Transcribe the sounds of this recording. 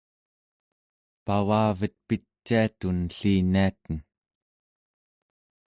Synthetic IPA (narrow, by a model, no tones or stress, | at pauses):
pawaːvət̪̚pit͡ʃːiat̪unɬiːniat̪ən